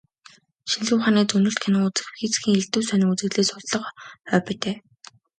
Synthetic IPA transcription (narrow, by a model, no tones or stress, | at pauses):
ʃinɮuːχaːniːt͡sɵnɵ̆ɬt̪̚kʰænɘ̆ŋut͡sɘ̆xxiːt͡sxiːŋeɮt̪ŭːsœnɪ̆ŋut͡sɘ̆ɣɮeːsʊɮɮɞ̆qœːpeːt̪eː